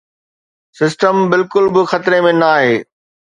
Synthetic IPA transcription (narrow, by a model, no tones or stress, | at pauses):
sɪsʈəmbɪlkʊlbɪxɐt̪ɪɾemẽnaːɦeː